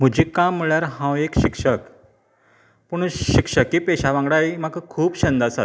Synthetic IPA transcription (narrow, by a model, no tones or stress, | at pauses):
m̤ud͡ʑikamːiɭjaɾɦãwekɕikʂək | puɳɕikʂəkiːpeɕaʋãŋɡɽajmaɡkʰuːpɕənd̪asa